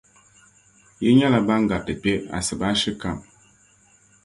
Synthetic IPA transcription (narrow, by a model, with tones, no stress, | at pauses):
jɛ˦ɲa˦la˨ba˦ŋ̩˦ɡa˨tɨ˨pe˦a̰˨sɨ˨ba˦ʃɨ˦ka˨m